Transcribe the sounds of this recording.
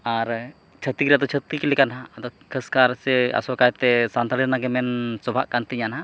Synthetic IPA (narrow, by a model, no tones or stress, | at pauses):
aɾ | t͡ʃʰət̪ikɾɛad̪ɔt͡ʃʰət̪ikilɛkanaːd̪ɔkʰəskaɾsɛa̰sɔkajt̪ɛsant̪aliɾnaɡɛmɛnsɔbʱaʔkant̪iɲana